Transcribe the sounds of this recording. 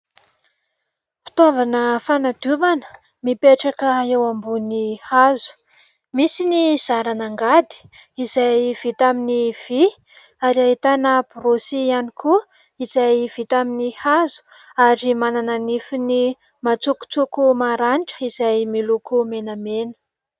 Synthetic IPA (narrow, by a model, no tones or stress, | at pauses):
fi̥t̪ovanəfanad̪uvanə̥ | mipeʈ͡ʂakəewambunihazu̥ | misiniz̥aɾanaŋɡad̪i̥ | izajv̥it̪aminiv̥i | aɾiaɦit̪anəb̥uɾosianikʰu | iz̥ajv̥it̪aminihazu̥ | aɾimanananifini | mat͡suku̥t͡sukumaɾanʈ͡ʂə̥izajmilukumenamenə̥